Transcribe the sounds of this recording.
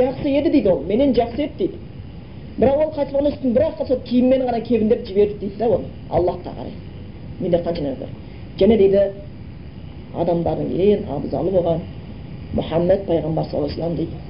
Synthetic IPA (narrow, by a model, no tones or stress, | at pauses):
ʒɑqsəe̞d̪ɪd̪e̞jd̪ɪwome̞ne̞nʒɑχsəe̞d̪d̪ejd̪ɪ̥ | bɪɾɑqwo̞lˠqʰɑjt̪əsˠʁɑnʏst̪ɪnbɪɾɑqːɑsot̪kʲʰejɪmmːeɪɴʁɑnɑkʲʰe̞ɡʲɪnd̪epʒɪbe̞ɾd̪ɪd̪ejd̪ɪd̪æwo̞nə | ɑ̰lˠːɑhqɑ̰qʰɑ̰ɾɑ̰j | mend̪eqʰɑnʃɑnɑb̪ḛɾ | ʒæne̞d̪e̞jd̪ɪ | ɑ̰d̪ɑmd̪ɑɾd̪əŋkʲʰejɪnɑ̰bzɑ̰lˠəboʁɑn | mʊ̰ħɑmːæt̪̚pʰɑjʁɑmbɑɾsɑ̰lˠɑjsəlˠɑmd̪ejd̪